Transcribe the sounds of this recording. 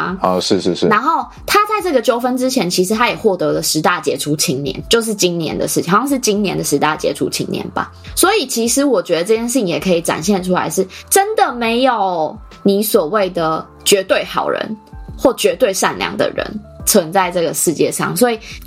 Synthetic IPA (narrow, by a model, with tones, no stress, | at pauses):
ɔ˥˧ʂɻ̩˥˧ʂɻ̩˥˧ʂɻ̩˥˩na˧˦˥nxo˥˧ʊ | t̪ʰa˥t͡sa˥˧ɪʈ͡ʂɤ˥˩ɡə˩t͡ɕjo˧˥ʊfə˦nʈ͡ʂɻ̩˥˦t͡ɕʰjɛ˧˥nt͡ɕʰi˧˥ʂ̬ɻ̩˧˥t̪ʰa˥jɛ˨˩xwɔ˥˩t̪ɤ˧˥lə˨ʂɻ̩˧˥t̪a˥˩t͡ɕjɛ̰˧˥ʈ͡ʂʰu˧˥t͡ɕʰi˧˥ŋnjɛ̰˧˦nt͡ɕjo˥˧ʊʂ̬ɻ̩˥˩t͡ɕi˦˥ŋnjɛ̰˧˥nd̪ə̰˨ʂɻ̩ʰ˥˩˨xjɑ˥˧ŋʂɻ̩˥˩t͡ɕi˥ŋnjɛ˧˦nd̪ə˨ʂɻ̩˧˥t̪a̰˥˩t͡ɕjɛ̰˧˥ʈ͡ʂʰṵ˧˥t͡ɕʰḭ˧˥ŋnjɛ̰˧˦nba̰˨ | swɔ˧˥i˨˩t͡ɕʰi˧˥ʂɻ̩˧˥wɔ˨˩t͡ɕɥɛ˧˥d̪ə˧ʈ͡ʂɤ˥˧t͡ɕjnʂɻ̩˥˩t͡ɕi˧ŋjɛ˨˩kʰɤ˧˥i˨˩ʈ͡ʂa̰˨˩nɕjɛ˥˧nʈ͡ʂʰu˥la̰˧˥ɪʂɻ̩˥˩ʈ͡ʂə˦˥nd̪ə˨me˧˥ɪjo˨˩ʊ | ni˨˩˦swɔ˨˩we˥˩ɪd̪ə˩ | t͡ɕɥɛ˧˥t̪we˥˩ɪxɑ̰˨˩ʊɻə̰˧˥nxwɔ˥˩t͡ɕɥɛ˧˥t̪we˥˧ɪʂa˥˨nljɑ̰˨˩ŋd̪ə̰˨ɻə̰˧˦n | t͡sʰwə˧˥ŋt͡sa˥˧ɪʈ͡ʂɤ˥˩ɡə˩ʂɻ̩˥˧t͡ɕjɛ˥˧ʂɑ̰˥˩ŋswɔ˧˥i˨˩